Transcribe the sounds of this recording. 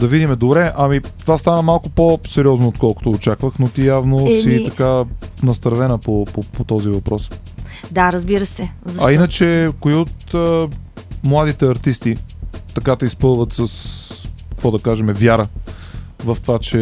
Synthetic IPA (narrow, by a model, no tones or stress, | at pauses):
d̪ɐvid̪imɛd̪obɾɛʔɐmit̪ovast̪anəmalˠkʊposɛɾʲiɔznoot̪kɔlˠkʊ̥t̪oːt͡ʃakvəxnot̪ijavnosit̪ɐkanɐst̪ɾvɛnəpopopot̪ɔzivɐpɾɔs | d̪aɾɐzbiɾəsɛzɐinət͡ʃɛkoiot̪ə | mlˠad̪it̪ɛɐɾt̪ist̪it̪ɐkad̪ɐispɤlˠvət̪səskkvɔd̪ɐkaʒɛmɛvʲjaɾə | vɐft̪ovat͡ʃɛ